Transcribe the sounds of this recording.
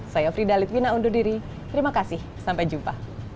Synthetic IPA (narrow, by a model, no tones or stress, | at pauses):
sajafɾidalɪt̪̚winaundudiɾi | t̪əɾimakasɪh | sampajd͡ʒumpa